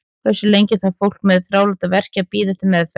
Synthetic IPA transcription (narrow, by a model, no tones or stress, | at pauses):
kθɛsːʏlejɲcɪθaðfowl̥kmɛðθɾaːwlat̪avɛr̥capiːðɪt̪ɪmːɛθ